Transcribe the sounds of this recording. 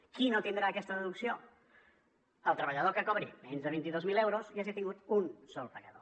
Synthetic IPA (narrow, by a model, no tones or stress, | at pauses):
kinot̪ind̪ɾaəkɛst̪əðəðuksio | əlˠt̪ɾəβəʎəðokakɔβɾimenzðəβint̪iðozmilewɾoziaʒiat̪iŋɡut̪unsɔlˠpəɣəðo̰